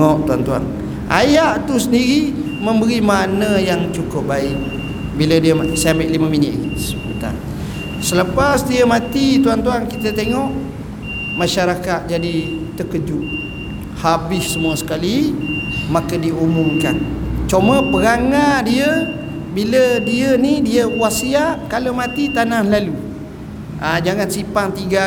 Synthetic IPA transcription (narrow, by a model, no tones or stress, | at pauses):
ɔʔt̪uant̪ua̰ŋ | ʔa̰jaʔt̪usəndiɾi | mə̃mbəɾimanəjaŋt͡ʃukup̚baɪʔ̚ | bilədiəmsaameʔliməminɪ̰t̪̚ɡisə̥put̪a̰n | sələpasdiəmat̪it̪uant̪uankit̪ət̪eŋɔʔ | mãʃaɾakat̪̚d͡ʒadit̪əkəd͡ʒʊʔ | habɪfsəmuəsə̥kali | makədiumumkant͡ʃoməpəɾaŋadiə | bilədiənidiəkuwasiaʔkalawmãt̪it̪anahlalu | ʔad͡ʒaŋansipaŋt̪iɡa